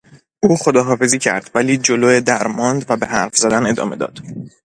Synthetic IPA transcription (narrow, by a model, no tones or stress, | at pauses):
ʔuːxod̪ɒːɦɒːfe̞ziːcʰæ̰ɾd̪̥væliːd͡ʒoloed̪æɾmɒːnd̪væbe̞ɦæɾfzæd̪æne̞d̪ɒ̰ːme̞̰d̪ɒ̰ːd̪̥